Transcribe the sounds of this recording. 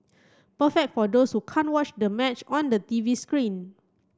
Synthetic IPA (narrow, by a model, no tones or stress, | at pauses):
pəfɛk̚tfɔdoshukʰãntwɔt͡ʃdəmɛt͡ʃɔ̃ndətiviskɹĩn